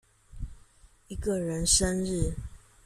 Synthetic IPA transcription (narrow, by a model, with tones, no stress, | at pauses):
i˦ɡə˨ɻə˨˦nʂə˦nɻ̩˥˨